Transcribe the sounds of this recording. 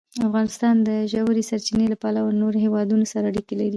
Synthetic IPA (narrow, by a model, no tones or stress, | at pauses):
afɣɑnɪst̪ɑnd̪əʒawɾesaɾt͡ʃinelapɑlawanoɾoɦewɑd̪unosaɾaaɽikelaɾi